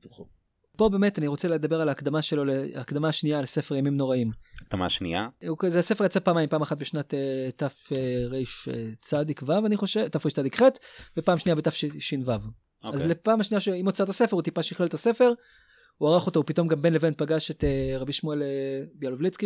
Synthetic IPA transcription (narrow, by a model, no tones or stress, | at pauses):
po̞be̞ːme̞taniʁot͡seled̪abeʁalaːkd̪amaʃelo̞leːkd̪amaːʃnialese̞fe̞ʁjamimno̞ʁaimkd̪̥ama̰ʃnḭa̰ukzease̞fe̞jat͡sapaːmajimpaːmaχat̚beʃnatetafeʁejʃt͡sadikvavaniχoʃetːafʁeʃt͡sadikχetbepaːmʃniabetafʃʃinvav | azlepaːmaʃnijaʃeimot͡satase̞feut̪ipaʃiχleletase̞fe̞ʁ | uaʁaχo̞toupito̞mɡambenlevent̚paɡaʃeteʁabiʃmuelebialovlit͡ski